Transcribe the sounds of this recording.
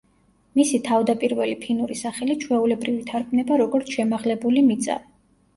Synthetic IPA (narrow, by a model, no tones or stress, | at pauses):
misit̪ʰavd̪apʼiɾvɛlipʰinuɾisaχɛlit͡ʃʰwɛulɛbɾivit̪ʰaɾkʰʼmnɛbaɾɔɡɔɾt̪sʰʃɛmaʁlɛbulimit̪sʼa̰vi